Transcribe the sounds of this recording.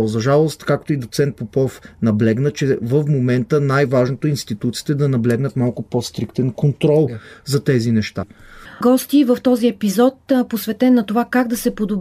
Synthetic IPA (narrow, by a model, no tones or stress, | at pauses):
zɐʒalˠost̪kakt̪oid̪ot̪sɛnt̪̚popɔfnɐblɛɡnət͡ʃɛvəfmomɛnt̪ənajvaʒnot̪oinst̪it̪ut̪si̥ːt̪ɛd̪ɐnɐblɛɡnət̪malˠkʊpɔst̪ɾikt̪ɛnkont̪ɾɔlˠzɐt̪ɛzinɛʃt̪a̰ɡɔst̪ivəft̪ɔziɛpizɔt̪posvɛt̪ɛnːɐt̪ovakaɡd̪ɐsɛpod̪ob̪